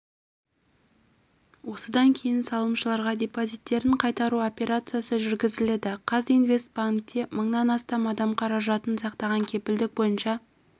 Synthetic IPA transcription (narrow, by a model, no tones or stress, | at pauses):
wo̞səd̪ɑŋkʲʰe̞jɪnsɑlˠəmʃəlˠɑɾʁɑd̪ʲe̞pozijt̪ːe̞ɾɪɴqʰɑjt̪ɑɾuo̞pʲe̞ɾat̪sɨjasəʒʏɾɡʲɪzɪle̞d̪ɪqʰɑzinvʲe̞st̪̚baŋk̚t̪ːe̞məɴnɑnɑst̪ɑmɑd̪ɑmqʰɑɾɑʒɑt̪ənsɑqt̪ɑʁɑŋkʲʰe̞pɪld̪ɪk̚bo̞jənʃɑ